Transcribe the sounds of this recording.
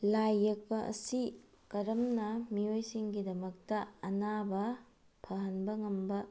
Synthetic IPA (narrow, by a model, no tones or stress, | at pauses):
lajːɐk̚pɐʔɐ̰si | kɐɾɐmnɐmijojsiŋɡidɐmɐk̚tɐɐnabɐ | pʰɐɦɐnbɐŋɐmbɐ